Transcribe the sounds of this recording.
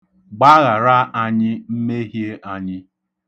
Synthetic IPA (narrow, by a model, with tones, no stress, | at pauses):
ɡ͡ba˦ɣa˨ɾa˦ʔa˨ɲɪ˦m̩˦me˦ɦje˦ʔa˨ɲɪ˦